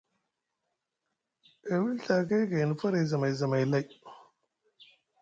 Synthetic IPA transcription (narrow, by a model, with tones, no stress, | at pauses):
e˨wi˦lɬa˨ka˦jɡa˨ji˨n˨fɐ˦ɾa˨jzɐ˨ma˨jzɐ˨ma˨jla˦j